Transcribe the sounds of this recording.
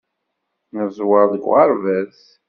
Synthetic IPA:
nəzwɑɾðəɡʷʁɑɾˤvæθ

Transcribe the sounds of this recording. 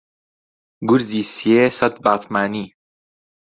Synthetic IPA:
ɡʊɾziːsijeːsɐt̪baːt̪maːniː

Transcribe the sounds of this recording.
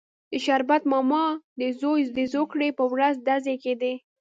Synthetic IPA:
d̪əʃaɾbat̪mɑmɑd̪əzojd̪əzokɽepəwɾazd̪azeked̪e

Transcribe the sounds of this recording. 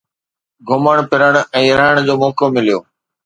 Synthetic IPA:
ɡʱʊməɽ̃pɪɾəɽ̃ɛ̃ːɾəɦəɽ̃d͡ʑoːmɔːkomɪlijoː

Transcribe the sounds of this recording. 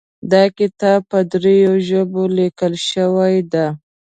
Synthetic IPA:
d̪ɑkɪt̪ɑb̚pəd̪ɾejoʒəbolikəlʃəwajd̪a

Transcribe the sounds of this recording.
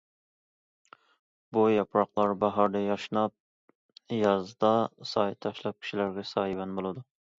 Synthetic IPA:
bujɑpɾɑqlˠɑɾbaɦɑɾd̪ɛjɑʃnɑp̚ | jɑzd̪ɑsɑjt̪ʰɑʃlˠɑp̚kʲʰi̥ʃilaɾɡʲɛsɑibanbolˠad̪ʊ

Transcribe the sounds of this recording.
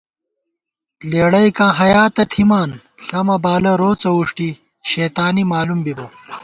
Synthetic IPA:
leːɽɐjkãːɦɐjaːt̪ɐt̪ʰimaːn | ɬɐmɐbaːlɐɾoːt͡sɐuʂʈi | ɕeːt̪aːnimaːlumbibɐ

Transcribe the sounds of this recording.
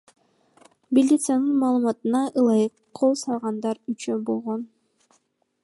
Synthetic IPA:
bʲilʲːit̪sɨjanɯnmɑːlˠumɑt̪ɯnɑʔɯlˠɑjɯqːʰolˠsɑlˠʁɑnd̪ɑɾyt͡ʃøbolˠʁon

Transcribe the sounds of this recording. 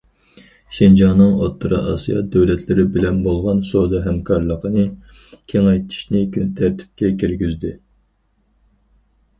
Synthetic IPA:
ʃind͡ʒɑŋnɨŋo̰t̪ʰːɨɾɨ̰ʔɑ̰sijɑ̰d̪ɛwlɛt̪ʰlɪɾɪbɪlɛnbolˠʁɑnsod̪ɨɦɛmkʰɑɾlˠəqʰənɨ | kʲʰeŋɑjt̪ʰi̥ʃnɪkʲʰynt̪ʰæɾt̪ʰɪ̥p̚kʲɛkʲʰiɾɡʲyzd̪ɪ

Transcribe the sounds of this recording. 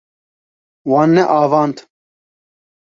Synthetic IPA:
wanːɛʔaːvaːnt̪ʰ

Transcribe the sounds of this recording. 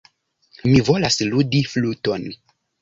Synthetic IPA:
mivo̞lasludifluto̞n

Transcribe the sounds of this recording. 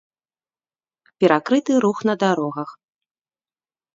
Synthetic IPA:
pʲɛɾʔakɾɨt̪ɨɾuxnɐd̪aɾɔɣɐx

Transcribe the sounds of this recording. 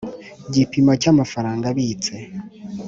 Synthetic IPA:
ɟipimacamafaɾaːŋɡaβiːt͡se̞

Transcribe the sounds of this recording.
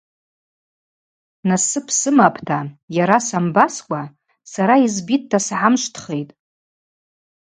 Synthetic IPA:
nasɨpʰsɨmapʰtʰajaɾasambaskʷʼa | saɾaizbit̚ːʰasʕamʃʷtʰχe̞jtʼ

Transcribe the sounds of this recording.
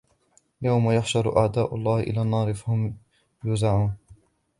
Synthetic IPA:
jawmajaħʃɑɾˤʔa̰ʕd̪aːʔʊ̰lˤːɑːhɪʔɪ̰laːnːɑːɾɪfahʊm | jʊzaʕuːn

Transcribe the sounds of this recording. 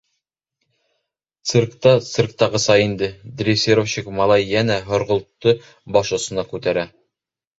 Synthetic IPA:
t̪sɨrkt̪ɑt̪sɨrk̚t̪ɑʁɤ̆sɑjind̪ɘd̪rʲifsʲiɾofɕikmɑlˠɑjːænæɦŏɾʁŏlˠt̪ːɤ | bɑʃŏsɤ̆nɑkʉt̪æɾæ

